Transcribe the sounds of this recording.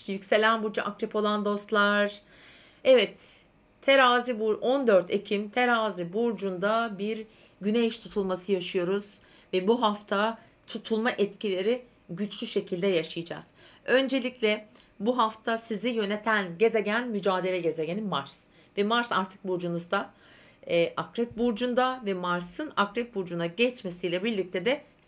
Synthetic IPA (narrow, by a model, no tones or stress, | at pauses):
jycse̞lʲænbuɾd͡ʒaʔakɾipʰo̞lˠand̪o̞st̪lˠaɾ | ɛvɛt̪ʰː | eɾaːzibuɾʔond̪øɾt̪ʰe̞cʰimt̪ʰeɾaːzibuɾd͡ʒund̪abiɾ | ɟynejʃt̪ʰut̪ʰulˠmasɯjaʃɯjo̞ɾuz | vɛbuɦaft̪ʰa | t̪ʰut̪ʰulˠmaʔɛt̪cilʲe̞ɾi | ɟyt͡ʃlʲyʃe̞cʰilʲd̪ɛjaʃɯjɯd͡ʒa̰z̥ø̞nd͡ʒe̞lʲiclʲɛ | buɦaft̪ʰasizijø̞ne̞t̪ʰænɟe̞ze̞ɟænmyd͡ʒaːd̪e̞lʲɛɟe̞ze̞ɟenimaɾs | vɛmaɾsa̰ɾt̪ʰɯ̥k̚buɾd͡ʒunuzd̪a | ɛːʔakɾɛp̚buɾd͡ʒund̪avɛmaɾsɯnakɾɛp̚buɾd͡ʒunaɟɛt͡ʃme̞sijlʲɛbiɾlʲic̚t̪ʰed̪ɛ